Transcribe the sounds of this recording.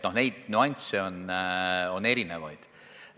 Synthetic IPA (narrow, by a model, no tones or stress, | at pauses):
no̞hne̞jd̪̥nuɑnʲt̪seo̞n | o̞ne̞ɾine̞vɑjd̪̥